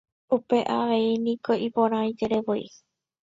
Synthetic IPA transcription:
upe̞ʔaʋe̞inĩko̞ipõɾ̃ãĩd͡ʒeɾeʋoḭ

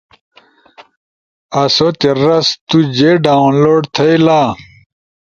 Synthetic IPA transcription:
ɐsot̪eɾɐst̪ud͡ʑeːɖaːunloːɖt̪ʰɐjlaː

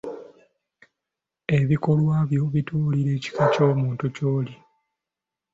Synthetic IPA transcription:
e̞βiko̞lwaːβjo̞βituːliɾe̞ːci̥kaco̞ːmuːntucoːli

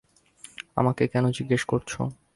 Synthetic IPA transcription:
a̰makekɛnod͡ʑiɡːeʃkoɾt͡ɕʰo̰

